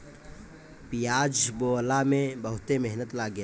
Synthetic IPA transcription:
pijaːd͡ʒboːlaːmẽbɐɦʊt̪emeɦnət̪laːɡja

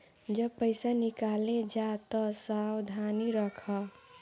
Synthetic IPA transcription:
d͡ʒəpəɪsanikaled͡ʒat̪ɔsawd̪ʱaniɾəkʰʌ

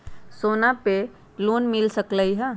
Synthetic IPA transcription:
soːnape | loːnmɪlsəkləiɦɛ̃

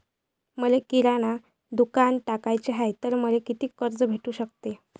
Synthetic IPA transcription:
məlekiɾaɽ̃a | d̪ukanʈakajt͡ɕeɦajt̪əɾməlekit̪iːkəɾd͡zbʱeʈuːɕək̚t̪e

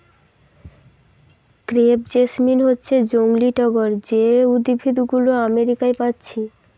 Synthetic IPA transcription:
kɾebd͡ʑesminɦotːɕʰed͡ʑoŋliʈɔɡoɾd͡ʑeud̪ibʱid̪uɡuloameɾikajpatːɕʰi

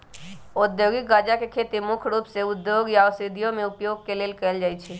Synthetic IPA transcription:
od̪joɡɪk̚ɡad͡ʒakekʰet̪imukʰɾuːpseʊd̪joɡjawsid̪ʱijõmẽʊpjoɡkeleːlkəəld͡ʒaːjt͡ʃʰe

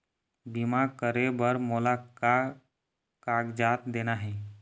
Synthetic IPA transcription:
bimakəɾebəɾmoːlaka | kaɡd͡ʒaːt̪d̪eːnaɦɛː

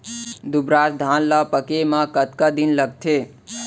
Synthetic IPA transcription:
d̪ubɾaːsd̪ʱanlapəkemãkət̪kad̪inləɡ̚t̪ʰe

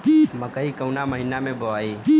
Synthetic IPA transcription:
məkəɦikəʊnaməɦinamẽbəʋaːiː

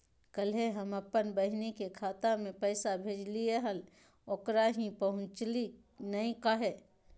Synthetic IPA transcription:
kəlɦeɦɐmɐpːənbəɦnekekʰaːt̪amẽpɛːsabʱeːd͡ʒlijeɦəl | oːkɾaɦĩpəɦʊ̃t͡ʃli | nɐĩkaɦɛː

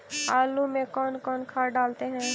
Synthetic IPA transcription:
aːlumẽkɔːnkɔːnkʰaːɖaːlt̪eɦɛ̃ː

